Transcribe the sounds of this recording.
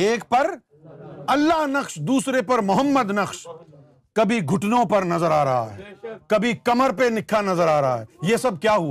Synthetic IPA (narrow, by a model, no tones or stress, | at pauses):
eːk̚pɐɾ | ɐlːaɦnɐkʃd̪uːsɾepɐɾmʊɦəmːəd̪nɐqʃ | kɐbʱiɡʱʊʈnõpɐɾnɐzəɾaːɾɐɦa̰ɦɛ̰ːkɐbʱikɐməɾpenɪkʰːanɐzəɾaːɾɐɦa̰ɦɛːjeːsɐb̚kjaːɦua